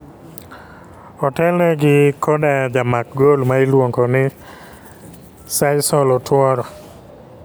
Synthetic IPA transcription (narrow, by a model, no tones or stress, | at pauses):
ɔtɛlnɛɡɪkʰɔdad͡ʒamak̚ɡolmaɪlwoŋkɔnɪ | sajsɔlɔtwɔɾɔ